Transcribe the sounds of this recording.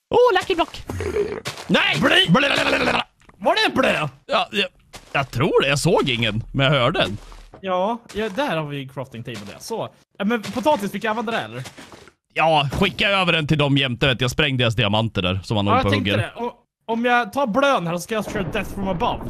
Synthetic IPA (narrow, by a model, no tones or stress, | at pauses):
ʔoːlækːəblɔkː | nɛbliblialɛala | vaɖɛɛnbløːjɑːj | jɑt̪ʰɾuːɖɛjɑsoːɡɪŋːənmɛnjahœːɖəɛnjɑːjɑd̪ɛhæːɾhaɾvɪkʰɾɑft̪ɪŋt̪ʰiːmɔd̪ɛ̰soː | ɛmɛnpʰʊt̪ʰɑːt̪ɪst̪fɪkjaɑːvɛnd̪əɾɛhɛ̰lːəɾ | jɑːɧɪkːaøːvəɖɛnt̪ɪld̪ɔmjɛmt̪əvɛːt̪jaspɾɛŋːd̪eːɾas̬d̪ɪamant̪əɖæ̰ɾsɔmhanoːjaphɛɵŋkɡːəəɾd̪ɛʔɔ | ɔmjɑɡt̪ʰɑːɾbløːnhæːɾsɔskajɑsʃøːɾad̪ɛθfɾɔməbav